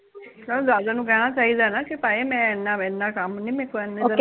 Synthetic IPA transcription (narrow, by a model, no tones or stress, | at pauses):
kɛõd̪aːzaːnũːkɛːnaːt͡ʃaːiːd̪aːnaːkɪpaːeːmɛ̃ːɪnːãːɪnːãːkəmnĩːmɛ̃ːkoɛnːeːoə